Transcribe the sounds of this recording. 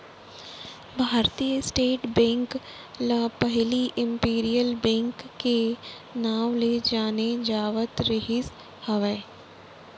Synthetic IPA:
bʱaːɾt̪ijəsʈeːʈbɛ̃ːŋk | pəɦliʔɪ̃mpiːɾijəlbɛ̃ːŋkːe | naːʋled͡ʒaːned͡ʒaːʋət̪ɾeɦɪs | hɐʋɛː

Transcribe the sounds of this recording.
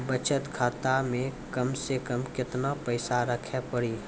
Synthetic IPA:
bət͡ʃət̪kʰaːt̪amẽkəmsekəmkɪt̪napəɪsaɾəkʰepəɽiː

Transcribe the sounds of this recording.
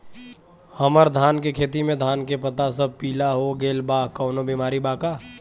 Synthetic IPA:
hɐməɾd̪ʱaːnkekʰeːt̪imẽd̪ʱaːnkepət̪asəb̚piːlaɦoɡeːlbaːɦkɔːnobiːmaːɾibaːkaː

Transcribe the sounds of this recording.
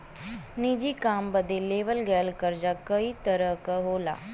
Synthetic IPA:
nid͡ʑiːkambəd̪ʱːeleʋəlɡɛlkəɾd͡ʑakəiːt̪əɾəkəɦola̰

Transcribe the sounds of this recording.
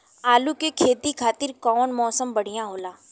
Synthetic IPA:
aːlukekʰeːt̪ikʰaːt̪ɪɾkɔːnmɔːsəmbɐɽ̤ijãɦoːlaː

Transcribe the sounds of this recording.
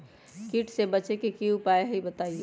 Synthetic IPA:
kiʈsebət͡ʃekekiupaeɦibət̪aie

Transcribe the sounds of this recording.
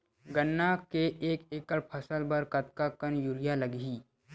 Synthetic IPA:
ɡənːakeʔeːkeːkəɽpʰəsəlbəɾkɐt̪̚kakənjʊlɪjaləɡɦiː

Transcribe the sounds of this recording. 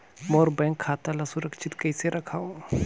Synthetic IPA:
moːɾbɛ̃ːŋkʰːaːt̪alasʊɾəkʃɪt̪kɐjseɾɐkʰaːo

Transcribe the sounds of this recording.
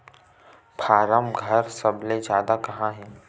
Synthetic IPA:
pʰaːɾəmɡʱɐɾsɐbled͡ʒjaːd̪akɐɦãɦɛ̃ː

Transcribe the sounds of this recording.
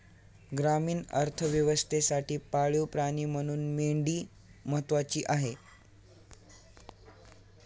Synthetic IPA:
ɡɾamiːnə̰ɾt̪ʰəʋjəʋəst̪ʰesaʈiːpaɭjopɾaɽ̃iːm̤əɽ̃uːnmeɳɖiː | məɦət̪ʋat͡ɕiːʔaɦe

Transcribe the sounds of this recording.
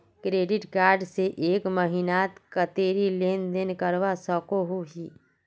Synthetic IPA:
kɾeːɖɪʈkaːɾɖseʔeːkməɦinaːt̪kət̪eːɾileːnd̪enkəɾʋasɔkoɦoɦiː

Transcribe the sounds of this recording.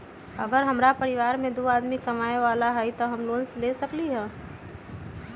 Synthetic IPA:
əɡəɾɦɐmɾapəɾɪʋaːɾmẽd̪oaːd̪mikɐmaːeʋaːlaɦɛit̪oɦəmloːnslesəkliɦɛː

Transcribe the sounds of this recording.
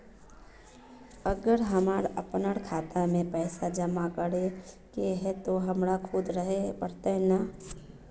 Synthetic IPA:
əɡəɾɦɐmaːɾəpnəɽkʰaːt̪amẽpɛːsad͡ʒəmakəɾe | keɦɛt̪oɦɐmɾakʰud̪ɾəɦepəɾt̪ana

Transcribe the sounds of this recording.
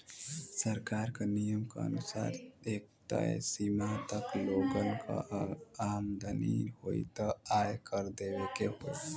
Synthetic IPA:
səɾkaːɾkanijəmka̰ɐ̰nusa̰ːɾeːk̚ʈ̪a̰simat̪ɐkloːɡənka̰aːmd̪ɐnḭhoḭt̪aaːjkəɾd̪eːʋekeɦo

